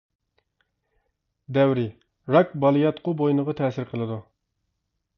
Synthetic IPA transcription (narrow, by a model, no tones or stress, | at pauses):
d̪ɛwɾɪ | ɾɑkbɑlˠɨjɑt̪qʊbojnəʁɑt̪ʰɛːsɪɾqʰəlˠɨd̪u